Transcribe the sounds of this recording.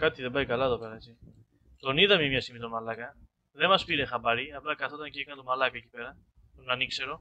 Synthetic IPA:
kɐt̪iðembɐjkɐlɐeðope̞ɾɐet͡si | t̪o̞niðɐmiɐmɲɐst̪imit̪omɐlɐkɐ | ðe̞mɐspiɾexɐbɐɾiɐplɐkɐθot̪ɐnciekɐnt̪omɐlɐkɐecipe̞ɾɐ | onɐnikse̞ɾo̞

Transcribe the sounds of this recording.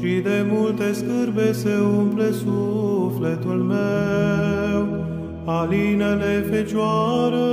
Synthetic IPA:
id̪emult̪e̞skɨrbese̞umplesuflet̪ulme | w | alinelefet͡ʃuaɾə

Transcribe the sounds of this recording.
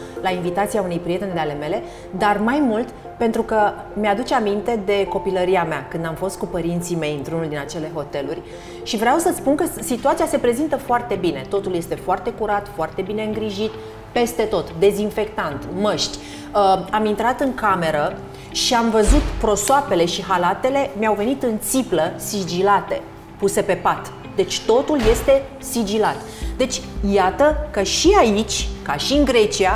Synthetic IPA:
lainvit̪at̪siaunejpɾije̞t̪e̞nd̪eale̞me̞le̞ | d̪armajmult̪ | pe̞nt̪ɾukə | mead̪ut͡ʃeamint̪e̞d̪e̞ko̞piləɾiameakɨnd̪amfo̞st̪̚kupəɾint̪sime̞jɨnt̪ɾunuld̪inat͡ʃe̞le̞ɦo̞t̪e̞lurʲ | ʃivɾeawsət̪spunkəsit̪uat̪siase̞pɾe̞zint̪əfoart̪e̞binet̪o̞t̪ulje̞st̪e̞foart̪e̞kuɾat̪foart̪e̞bine̞ɨŋɡɾiʒit̪ | pe̞st̪e̞t̪o̞t̪d̪e̞zinfe̞kt̪ant̪məʃt̪ʲ | əamint̪ɾat̪ɨŋkame̞ɾə | ʃiamvəzut̪pɾo̞soape̞le̞ʃiɦalat̪e̞le̞miawve̞nit̪ɨnt̪sipləsid͡ʒilat̪e̞ | puse̞pe̞pat̪ | d̪e̞t͡ʃʲt̪o̞t̪ulje̞st̪e̞ | sid͡ʒilat̪ | d̪e̞t͡ʃʲjat̪əkəʃiait͡ʃʲkaʃiɨŋɡɾe̞t͡ʃia

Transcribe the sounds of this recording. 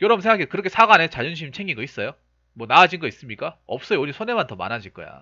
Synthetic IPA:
jʌɾʌbɯnsʰeŋɡakikɯɾʌkʰe̞sʰaɡanet͡ɕaʎʌnɕ̬ʰimt͡ɕʰeŋiɡʌis͈ʌjo | mwʌnaːd͡ʑinɡʌis͈ɯmɲik͈aʌp̚s͈ʌjeoɲisʰone̞mantʌma̰nad͡ʑiɭk͈ʌ̰ja̰

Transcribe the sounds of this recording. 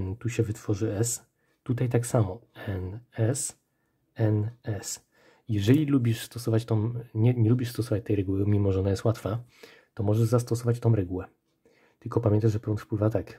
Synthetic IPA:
t̪uɕɛvɘt̪fɔʐɘɛs | t̪ut̪ajt̪aksamɔɛnɛs | ɛnɛs | jɛʐɛlʲilubʲiʂst̪ɔsɔvat͡ɕt̪ɔ̃w̃ɲɛɲɛlubʲiʂst̪ɔsɔvat͡ɕt̪ɛjɾɛɡuwɘmʲimɔʐɛɔnajɛst̪wat̪fa | t̪ɔmɔʐɛʐzast̪ɔsɔvat͡ɕt̪ɔ̃w̃ɾɛɡuwɛ | t̪ɘlkɔpamʲjɛnt̪aʐʐɛpɾɔnt̪fpwɘvat̪ak

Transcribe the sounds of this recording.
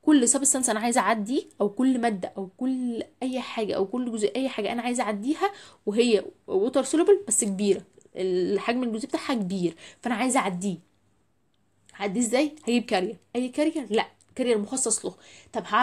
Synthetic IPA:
kolːsˤɑbesːænsʔænæʕaːjezʔaʕad̪ːiʔæwkolːmæd̪ːæʔæwkolːʔæjːħaːɡæ̰ʔæ̰wkolːɡoziʔæjːħaːɡæʔænæʕaːjezʔaʕad̪ːiːhæweɦejːæwot̪ˤɑɾˤsolobælbæsːk̚biːɾæʔeħaːɡæmenelɡozibet̪aːħhækbiːɾfæʔænæʕaːjezʔaʕad̪ːiː | haʕad̪ːiːzːæːjhæɡiːb̚kæɾjæʔæjːkæɾejælæʔ | kæɾejælmoxɑsˤːɑsˤloht̪ˤɑbha

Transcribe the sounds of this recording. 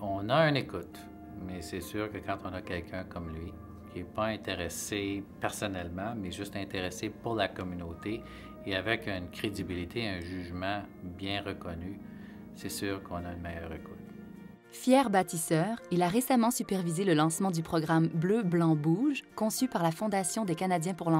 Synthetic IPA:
ɔ̃naynekʊt̪ | mɛsɛsyːʁkəkɑ̃t̪ɔ̃nakʲɛlkʲʰœ̃kɔmlɥi | kʲʰiɛpaɛ̃t̪eʁesepɛʁsɔnɛlmɑ̃mɛʒyst̪ɛ̃t̪eʁesepuʁlakɔmynot̪e | eavɛkynkʲʁed̪ibilit̪ʰeɛ̃ʒyːʒmɑ̃ | bjɛ̃ʁəkɔny | sɛsyːʁkʰɔ̃nanəmɛjœ̰ːʁekʊ̥t̪ | fjɛːʁbat̪isœːʁilaʁesamɑ̃sypɛʁvizeləlɑ̃smɑ̃d̪ypχɔɡʁambløblɑ̃buʒkɔ̃sypaʁlafɔ̃d̪asjɔ̃d̪ekanad̪jɛ̃puʁlɑ̃

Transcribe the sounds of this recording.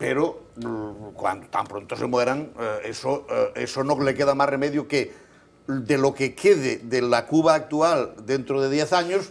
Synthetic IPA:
peɾo | kwa̰nd̪ot̪a̰mpɾont̪osemweɾaŋesoesonolekeðamasremeðjoke | d̪elokekʰeðeðelakuβaːk̚t̪uald̪ent̪ɾoðeðjeθaɲos

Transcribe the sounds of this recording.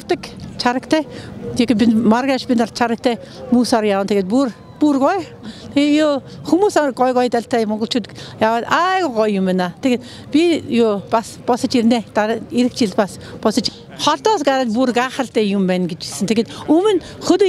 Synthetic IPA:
rt̪ə̆kt͡ɕʰaɾə̆kt̪ʰæːt̪ʰekepʲimarɣaːʃpʲinar̥t̪̚t͡ɕʰaɾə̆k̚t̪ʰæːmuːsaɾjawə̆nt̪ʰeɣeːt̪pur | purɡɔj | t̪ʰeejoːxumuːsaɡɔjɣɔjt̪aɮʲt̪ʰæːmɔɴɡɞ̆ɬt͡ɕʰuːt̪jawaːt̪ajɣʊɢɔjːʊmænat̪ʰeɣeːt̪ | pʲijoːpaspɔsə̆t͡ɕirneːt̪aiɾɘ̆k̚t͡ɕiɮpas | pɔsə̆t͡ɕ | χɔɮt̪ɔːs̬ɡaɾaːt̪purɡaːχə̆ɮt̪æːjʊmpæːnɡet͡ɕisɘ̆nt̪ʰeɡeːt̪ɵmɘ̆n | xɵn

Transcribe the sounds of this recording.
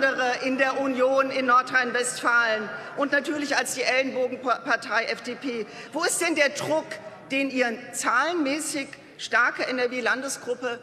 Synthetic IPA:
dəʁəʔɪndeːɐʔunjoːnɪnːɔɐtʁ̥aɪnvɛstfaːlənʔʊntnatʰyːɐlɪçalsd̥iːʔɛlnboːɡŋ̩paɐtʰaɪʔɛfd̥eːpʰeːvoːɪst̚d̥ɛndeːɐdʁʊkd̥eːnʔiːʁət͡saːlənmɛːsɪç | ʃtaɐkəʔɛnɛɐveːlandəsɡ̥ʁʊpə

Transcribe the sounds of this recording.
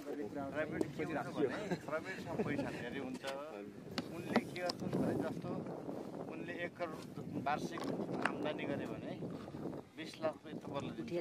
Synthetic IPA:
prajbeʈkikat͡sʰʌbʱʌneprajbeʈsʌmbʌjsʰaneɾiɦunt͡sʰʌ | unlekiɡʌt̪unbʱʌned͡zʌst̪o | unleːkːʌɾbarsika̰mdaniɡʌɾebʱʌne | bislakkʌt̪ʌpʌrlʌd̪in

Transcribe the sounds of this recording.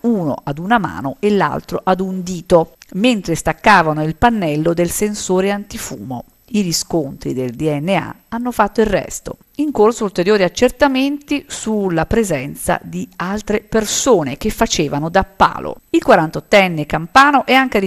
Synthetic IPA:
uːno̰ʔad̪unama̰ːnoelːa̰lt̪ɾoʔad̪und̪iːt̪oment̪ɾest̪akːaːvanoilpanːɛlːod̪elsensoːɾeant̪ifṵːmo̰ | iɾiskont̪ɾḭd̪eld̪iɛnːea̰ | anːofat̪ːoilrrɛ̰st̪o̰ | iŋkorsoult̪eɾjoːɾiat͡ʃːert̪ament̪isulːapɾezɛnt̪sa̰d̪ialt̪ɾepersoːnek̟efːat͡ʃeːvanod̪apːa̰ːlo̰ilkwaɾant̪ot̪ːɛnːekampaːnoʔɛaŋked̪

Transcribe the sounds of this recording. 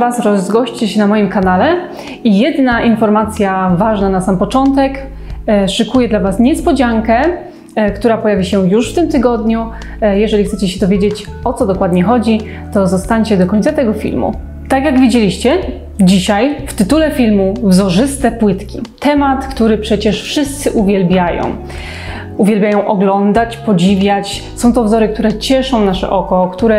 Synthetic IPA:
vasɾɔzɡɔɕt͡ɕeɕɛnamɔjimkanalɛ | ijɛd̪naʔinfɔɾmat̪sʲjavaʐnanasampɔt͡ʂɔnt̪ɛk | ʂɨkujɛd̪lavasɲɛspɔd͡ʑaŋkɛ | kt̪uɾapɔjavʲiɕɛjuʂft̪ɘmt̪ɘɡɔd̪ɲu | jɛʐɛlʲixt̪ɛt͡ɕɛɕɛd̪ɔvʲjed͡ʑet͡ɕ | ɔt̪sɔd̪ɔkwad̪ɲɛxɔd͡ʑi | t̪ɔzɔst̪aɲt͡ɕɛd̪ɔkɔɲʲt̪sat̪ɛɡɔfʲḭlmṵ | t̪akjaɡvʲed͡ʑelʲiɕt͡ɕɛ | d͡ʑiɕajft̪ɘt̪ulɛfʲilmuvzɔʐɘst̪ɛpwɘt̪kʲḭt̪ɛmat̪kt̪uɾɘpʂɛt͡ɕɛʂfʂɘst̪sɘʔuvʲjɛlbʲjajɔ̰̃w̃ | uvʲjɛlbʲjajɔ̃w̃ʔɔɡlɔnd̪at͡ɕpɔd͡ʑivʲjat͡ɕ | sɔ̃w̃t̪ɔvzɔɾɘk̚t̪uɾɛt͡ɕɛʂɔ̃w̃naʂɛ̰ʔɔkɔkt̪uɾɛ

